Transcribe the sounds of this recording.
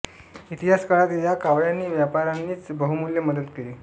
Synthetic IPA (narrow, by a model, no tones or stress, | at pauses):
it̪iɦaskaɭat̪jakaʋɭjanːiːʋjapaɾanːiːt͡sbəɦumuljəməd̪ət̪keliː